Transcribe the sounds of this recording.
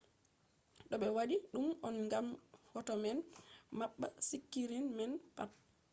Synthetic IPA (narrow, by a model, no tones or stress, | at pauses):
ɗɔɓɛwaɗiɗumɔnŋɡamhɔtɔmɛnmaɓːa̰sikːiɾinmɛnpap̚